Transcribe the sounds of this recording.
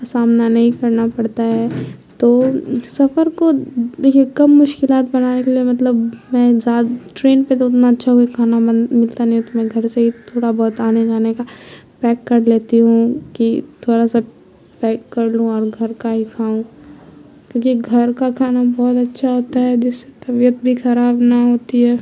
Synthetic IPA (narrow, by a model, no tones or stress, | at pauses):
saːmnanɐɦĩkɐɾnapɐɽt̪aɦɛt̪oːsɐfəɾkod̪eːkʰiekɐmːʊʃkɪlaːt̪̚bɐnaːnekeliemɐt̪̬ləbmɛ̃zaːd̪ʈɾeːnpet̪oʊt̪naɐtːʃʰaɦoɡikʰaːnamɪlt̪anɐɦĩɦũt̪omɛ̃ɡʱɐɾseɦit̪ʰoːɽabɔːt̪aːned͡ʒaːnekapɛːkːɐɾleːt̪iɦũkit̪ʰoːɾasa | pɛːkːɐɾlũɔːɾɡʱɐɾkaɦikʰaːũ | kʲjõːkiɡʱɐɾkakʰaːnabɔːt̪ɐtːʃʰaɦoːt̪aɦɛd͡ʒɪsːe̥t̪ɐbijət̪̚bʱixɐɾaːbnɐɦoːt̪iɦɛː